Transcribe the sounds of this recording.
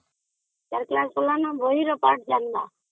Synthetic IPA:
t͡ʃaɾklaːsolanãbʱoiɾopaɾʈ̚d͡ʒaːnd̪aː

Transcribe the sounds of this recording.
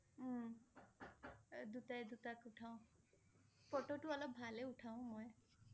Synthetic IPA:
d̪ut̪ajd̪ut̪akuʈʰaw̃ | pɔʈoʈuɔlɔbbʱaleuʈʰaw̃mɔj

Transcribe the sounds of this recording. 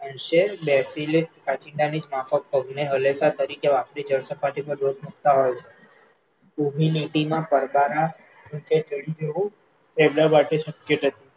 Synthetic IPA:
ənʃeɾbɛsilisʈkat͡ʃɪɳɖanid͡ʒmafək̚pəɡneɦəlesat̪əɾikeʋapɾid͡ʒəɾsəpaʈipə̃ɾɾoʈ̪̚mək̚t̪aɦojt͡ʃʰe̥ | ubʱiniʈimãpəɾbaɾa | ũt͡ʃet͡ʃəɽid͡ʒəʋũ | t̪eblabaʈeʃəkjət̪ət̪i

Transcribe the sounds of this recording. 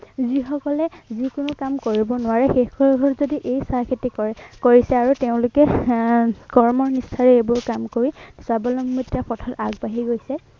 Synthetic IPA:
zixɔkɔlɛzikʊnʊkamkoɹibɔnʊwaɹɛxekɔɹɡʱɔɹzodiʔejsakʰitikoɹisɛaɹuteʊ̃lʊkɛ | kɔɹmɔɹnistʰaɹɛebʊɹkamkoɹisabɔlɔmːitiapɔtʰɔtaɡ̚baɦiɡojsɛ

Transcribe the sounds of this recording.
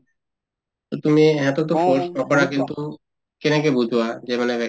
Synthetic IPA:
t̪ot̪umiɛt̪ot̪̬ofoɾʃnɔkɔɾakint̪u | kenakebud͡ʒʱuad͡ʑemanebɛ

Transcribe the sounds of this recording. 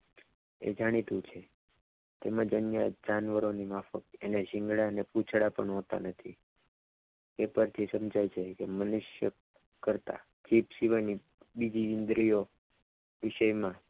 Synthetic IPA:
ḛd͡ʒaɽ̃it̪ũt͡ʃʰe | t̪emãd͡ʒənjad͡ʒanʋəɾonimafəkened͡ʒɪ̃ŋɡɽaəneput͡ʃʰɽapəɳɦot̪a̰nət̪ʰḭ | epəɾt̪ʰisəmd͡ʒajt͡ʃʰekemənʊʃjə | kəɾt̪a̰ | kipsiʋani | bid͡ʒiʋɪnd̪ɾijo | ʋɪʃəjmã

